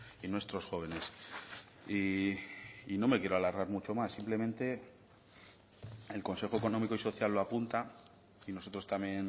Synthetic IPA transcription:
inwe̞st̪ɾo̞sxo̞β̞e̞ne̞s | i | ino̞me̞kje̞ɾoalaɾɣaɾmut͡ʃo̞masːimple̞mẽnt̪e̞ | elko̞nse̞xoe̞ko̞no̞miko̞iso̞θjalːoapunt̪a | ino̞so̞t̪ɾo̞st̪amje̞n

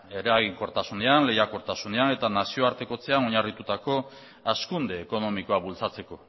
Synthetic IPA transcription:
e̞ɾeaɣiŋko̞ɾt̪asund̪eanle̞jako̞ɾt̪asund̪eane̞t̪anasio̞aɾt̪e̞ko̞t͡se̞ano̞ɲarit̪ut̪ako̞ | askund̪e̞ːko̞no̞miko̞aβult͡sat͡se̞ko̞

